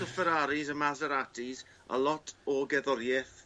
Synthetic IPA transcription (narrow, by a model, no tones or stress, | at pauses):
əfəɾaɾizəmazəɾatʰiz | ə̰lˠɔtʰɔɡɛðɔɾjɛθ